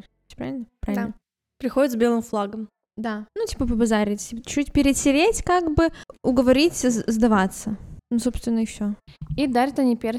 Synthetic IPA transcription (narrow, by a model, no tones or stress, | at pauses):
pɾavɪlʲnəpɾavɪlnə | pɾʲɪxodʲɪt̪zbʲelˠɨmflˠaɡəm | d̪anutʲipəpəbɐzaɾʲɪtʲit͡ɕːutʲpʲɪɾʲɪt̪sʲɪvʲetʲkaɡbɨʊɡəvɐɾʲitʲzd̪ɐvat̪sːənoso̞pst̪vʲɪnːəɪfsʲoid̪aɾʲət̪ɐnʲipʲer